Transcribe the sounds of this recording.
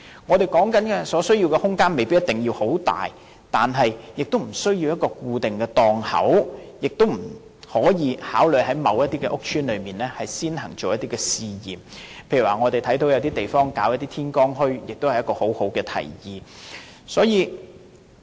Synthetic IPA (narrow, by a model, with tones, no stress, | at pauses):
ŋɔː˨˧t̪e˨˩jkɔː˨˥ŋkɐ˨˥nkɛː˧sɔː˨˥sɵ˥ɥji˧wkɛː˧hʊ˥ŋkaː˥nme˨jpiː˥jɐ˥t̪ɪ˨ŋjiː˧who˨˥wt̪a̰ː˨j | t̪aː˨nɦɐ˨jjɪ˨k̚t̪o˥wm̩˨˩sɵ˥ɥjiː˧wjɐ˥t̚kɔː˧kuː˧t̪ɪ˨ŋkɛː˧t̪ɔː˧ŋhɐ̰˨˥wjɪ˨k̚t̪o˥wm̩˨˩ | hɔː˨˥jiː˨˧haː˨˥wlɵ˨jhɐ˨˥jmɐ˨˧wjɐ˥t̚t̪iː˥kɛ˧ʔʊ˥k̚t͡ʃʰyː˥nlɵ˨˧ɥmiː˨nlɛː˥hɐ˨jsiː˥nhɐ˨˩ŋt͡ʃo˨wjɐ˥t̪iː˥kɛː˧siː˨˧jiː˨mpʰjy˨˩waː˨ŋɔː˨˧t̪e˨jt̪ʰɐ˨˥jt̪o˨˧wjɐ˨˧wt̪iː˥t̪e˨jfɔː˥ŋkaː˨˥wjɐ˥t̚t̪iː˥t̪ʰiː˥nkɔː˥ŋɦɵ˥ɥjɪ˨k̚t̪o˥whɐ˨jɐ˥kɔː˧ho˨˥who˨˥wkɛː˧t̪ʰɐ̰˨˩jjiː˨ | sɔː˨˥jiː˨˧